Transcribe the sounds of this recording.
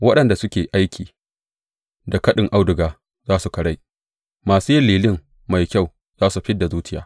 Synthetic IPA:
wɐ˦ɗɐ˨nda˨sʊ˦kʲeː˨ʔa˦jkʲʰiː˨ | da˨kɐ˦ɗɪ˨ŋʔa˦wdʊ˨ɡaː˨ | zaː˦su˨kɐ˨ɽa˦˨j | maː˨suː˦jɪ˦liː˨lɪ˦m | ma˨jkʲa˦˨w | zaː˦su˨ɸɪ˦dːa˨zuː˦tɪ˦ja̰ː˦

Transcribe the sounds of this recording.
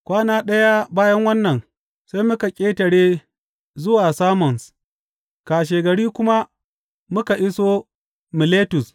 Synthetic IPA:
kʷaː˦naː˦ɗɐ˦ja˦baː˦jɐ˦ŋwɐ˦nːɐ˨ŋ | sa˦jmʊ˦ka˨kʲʼeː˦tɐ˨ɽeː˦ | zʊ˦waː˨saː˦mɔ˨ns | kaː˨ʃ̬eː˨ɡɐ˨ɽiː˦kʷʊ˦ma˦ | mʊ˦ka˨ʔɪ˦soː˦ | mɪ˨leː˦tʊ˨s

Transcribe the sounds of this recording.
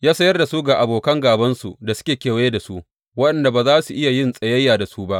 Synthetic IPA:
jaː˦sɐ˦jɐ˦rda˨su˦ɡa˨ʔa˨boː˨kɐ˦ŋɡaː˨bɐ˦nsu˨da˨sʊ̥˦kʲeː˨kʲeː˨wje˦da˨su˦ʔ | wɐ˦ɗɐ˨nda˨baː˨zaː˦su˨ʔɪ˦ja˨jɪ˦nsʼɐ˨jɐ˦jːaː˨da˨su˦ba˦ʔ

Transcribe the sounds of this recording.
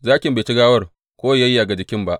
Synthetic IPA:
zaː˦kʲɪ˨mbe˨t͡ʃɪ˦ɡaː˦wɐ˦r | kʷoː˦ja˦ji˦a˨ɡa˨d͡ʒɪ˨kʲɪ˦mba˦ʔ

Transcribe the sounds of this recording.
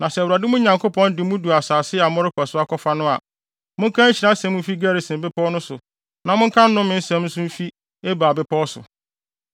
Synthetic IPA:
nã˨sɛ˨ɾa˨dɪ˦mũ˦ɲã˨ŋkʰo˦pʰɔ̃˦n˦dɪ˨˦mũ˦du˨a˨saː˨sɪ˦a˨mʊ̃˦ɾɪ˦kʰɔ˨sʊ˦a˦kʰɔ˦fa˦nʊ̃˦a̰˨ | mʊ̃˦kʰã˦ɲ̩˦t͡ɕʰi˨ɾã˦sɛ̃˦mʊ̃˦fi˦ɡæ˦ɾi˨sɪ̃˨m˨bɪ˦pʰɔ˦nʊ̃˦sʊ˨ | nã˨mʊ̃˦ŋ̩˦kʰã˦n̩˦nʊ̃˦mɪ̃˦n̩˦sɛ̃˦mn̩˦sʊ̃˦m̩˦fi˦ | e˦baː˨bɪ˦pʰɔː˦ɔ˦sʊ̰˨

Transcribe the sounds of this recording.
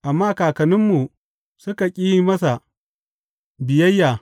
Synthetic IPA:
ʔa˨mːaː˦kaː˨kɐ˨nɪ˦mːu˨ | sʊ˦ka˨kʲʼiː˦jmɐ˦sa˨ | bɪ˨jɐ˦jːaː˨

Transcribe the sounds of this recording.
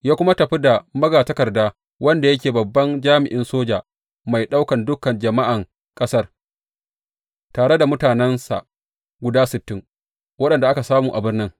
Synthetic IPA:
jaː˦kʷʊ˦ma˦tɐ˨ɸi˦da˨mɐ˦ɡaː˨tɐ˦kɐ˨rdaː˦ | wɐ˦nda˨jɐ˦kʲeː˨bɐ˨bːɐ˦nd͡ʒaː˦mɪ˨ʔɪ˦nsoː˦d͡ʒaː˨ | ma˨jɗa˦wkɐ˨ndʊ˦kɐ˨nd͡ʒɐ˨ma˦ʔa˨ŋ | kʼɐ˦sɐ˦r | taː˨ɽe˦da˨mʊ˦taː˨nɛ˦nsa̰˨ | ɡʷʊ˨daː˦sɪ˨tːɪ˦ŋ | wɐ˦ɗɐ˨nda˨ʔa˦ka˨saː˦muː˨ʔa˨bɪ˦rnɪ˦ŋ

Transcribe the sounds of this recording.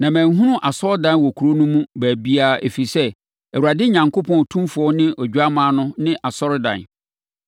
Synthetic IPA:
nã˨mæ̃˨ŋ˦ɦũ˦nʊ̃˦ʔa˨sɔ˦ɾdã˨nwɔ˨kʰu˨ɾo˦nũ˦mũ˦bæː˨bi˦a˦˨ḛ˨fi˨sɛ˦ | æ˨wu˨ɾa˨dɪ˦ɲã˨ŋkʰo˦pʰɔ̃˦˨n˨tʰũ˦mfʊ˨˦ɔ˦nɪ̃˦ʔɔ˨d͡ʑᶣu˨˦a˦mãː˦nʊ̃˦nɪ̃˦ʔa˨sɔ˦ɾɪ˦dã̰˨n

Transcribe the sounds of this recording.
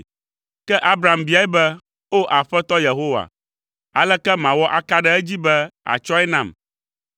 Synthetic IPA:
kɛ˦ʔa˦bɾa˨mbi˦a˨˦ɛ˦bɛ˦ | o˦ʔa˨ɸɛ˦t̪ɔ˦je˨ɦo˦wa̰˨ | a˨lɛ˦kɛ˦mã˨wɔ˦ʔa˦ka˦ɖɛ˦ɛ˦d͡ʑi˦bɛ˦a̰˨t͡ʃɔ˦ɛ˦nã˦˨m

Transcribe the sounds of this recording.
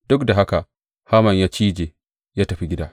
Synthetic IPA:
d̥ʊ˦kda˨ɦa˦ka˨ʔ | haː˦mɐ˨ɲjaː˦t͡ʃiː˦d͡ʒeː˨ | jaː˦tɐ˨ɸi˦ɡʲɪ˦daː˦

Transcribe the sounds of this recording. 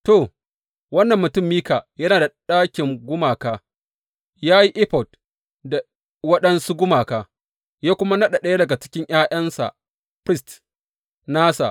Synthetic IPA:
to˨ | wɐ˦nːɐ˨mːʊ˨tʊ˦˨mːiː˦kaː˨jɐ˦naː˨da˨ɗaː˦kʲɪ˨ŋɡʷʊ˦maː˨kaː˦ | jaː˦ji˦ʔɪ˦ɸɔ˨d | da˨ | wɐ˦ɗɐ˦nsu˦ɡʷʊ˦maː˨kaː˨ | jaː˦kʷʊ˦ma˦nɐ˦ɗa˨ɗɐ˦ja˦dɐ˨ɡa˨t͡ʃɪ̥˦kʲɪ˦ɲʔaː˦ʔɐ˦nsa̰˨ʔ | pɾɪ˦st | naː˦sa̰˨ʔ

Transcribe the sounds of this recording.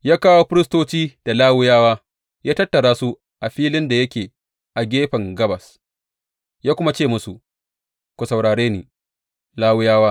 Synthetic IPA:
jaː˦kaː˦wo˦ɸɪ˦ɾɪ˦stoː˦t͡ʃiː˦d̥a˨laː˦wʊ˦jaː˦waː˦ | jaː˦tɐ˦tːɐ˨ɽaː˦su˦ | ʔa˨ɸiː˦lɪ˦nda˨jɐ˦kʲeː˨ | ʔa˨ɡʲeː˦ɸɐ˨ŋɡɐ˦bɐ˨s | jaː˦kʷʊ˦ma˦t͡ʃeː˦˨mʊ˦su˨ | kʷo˨sɐ˨wɽaː˨ɽeː˦niː˨ | laː˦wʊ˦jaː˦waː˦

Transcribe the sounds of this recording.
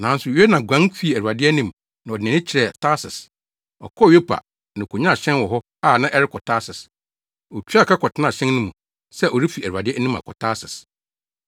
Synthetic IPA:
nã˨˦n̩˦sʊ˨jɛ˦nã˨ɡʷã˦n˦fi˦˨æ˨ɾu˨a˨dɪ˦ɛ˦nĩ˦m | nã˨ɔ˨dɪ˨ɛ̃˨nɪ̃˦t͡ɕʰɪ˨ɾɛ˨tʰa˦sɪ˨s | ɔ̰˨kʰɔ˦˨ɥe˦pʰa̰˨ | nã˨kʰo˨ɲã˦˨ɕɛ̃˦nwɔ˨ɦɔ˦ | a˦˨nã˦ʔɛ˦ɾɪ˦kʰɔ˨tʰa˦sɪ˨s | ɔ˨tʰᶣi˦a˦˨kʰa˦kʰɔ˨tɪ˦nã˦˨ɕɛ̃˦n˦nʊ̃˦mũ˨ | sɛ˦ʔɔ˨ɾi˦fi˨æ˨ɾa˨dɪ˦ɛ˦nĩ˦ma̰˨kʰɔ̰˨tʰa˦sɪ˨s

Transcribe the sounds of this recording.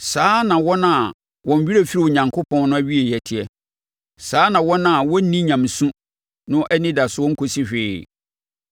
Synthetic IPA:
saː˦nã˨wɔ̃˦nã˦˨ | wɔ̃˨m˨˦ɥi˦ɾe˨fi˦ɾɪ˨ɲã˨ŋkʰʊ˦pʰɔ̃˦nnʊ̃˦æ˦ɥi˦e˨jɛ˨tʰɪ˨ɛ˦ | saː˨˦nã˨wɔ˦nã˨wɔ˦nĩ˦ɲã˨m˨sũ˦ | nʊ̃˦ʔɛ˦nĩ˦da˨sʊ˦ɔ̃˦ŋ̩˦kʰo˨si˦ɕᶣɪ˨

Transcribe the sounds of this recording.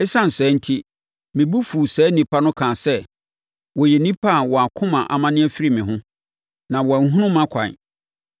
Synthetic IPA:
ɛ˦sã˦n̩˨sɛ˨˦n̩˦tʰi˦ | mɪ̃˨bu˦fu˨sɛː˨˦nĩ˨pʰa˦nʊ̃˦kʰãː˨sɛ˦ | wɔ˨jɛ˨nĩ˦pʰa˦˨wɔ˨a˨kʰʊ̃˦mã˨ʔa̰˨mã˦nɪ̃˦æ˦fi˦ɾi˦˨mɪ̃˨ɦʊ̃˦ | nã˨wɔ˨ŋ̩˨˦ɦʊ̃˦nʊ̃˦mã˦kʷʰã̰˨n˨

